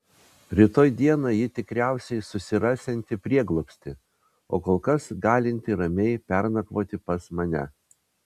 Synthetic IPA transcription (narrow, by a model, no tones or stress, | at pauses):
ɾʲɪt̪oːjd̪ʲiɛnɑjɪt̪ʲɪkɾʲæˑʊsʲɛɪsʊsʲɪɾɑːsʲɛnʲt̪ʲɪpʲɾʲiɛɡlˠɔpʲsʲt̪ʲɪ | o̰ːkoːlˠkɐsɡɑːlʲɪnʲt̪ʲɪɾɐmʲɛɪpʲɛɾnɐkʋoːt̪ʲɪpɐsmɐnʲɛ̰